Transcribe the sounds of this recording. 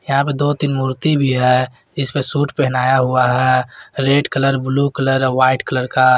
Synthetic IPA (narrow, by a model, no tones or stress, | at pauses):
jɐɦãp̬ed̪ot̪ɪnmuːɾt̪ibʱiɦɛ | d͡ʒɪspesuːʈpɛɦnaːjaɦuaɦɛɾeːɖkələɾblukələɾʋaːɪʈkələɾka